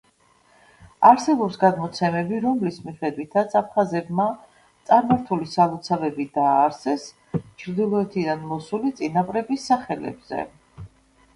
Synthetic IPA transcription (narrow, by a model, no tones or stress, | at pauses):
aɾsɛbɔpsɡad̪mɔt̪sʰɛmɛbiɾɔmlismiχɛd̪wit̪ʰat̪sʰap̚ʰχazɛbma | t̪sʼaɾmaɾt̪ʰulisalˠut̪sʰavɛbid̪aːɾsɛs | t͡ʃʰɾd̪ilˠɔɛt̪ʰid̪anmɔsulit̪sʼinapʼɾɛbisːaχɛlɛ̰bz̥ɛ̰